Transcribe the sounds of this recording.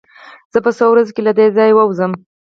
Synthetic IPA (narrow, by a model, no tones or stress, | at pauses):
z̥əpəsowɾazekelad̪ezɑjwəwzəm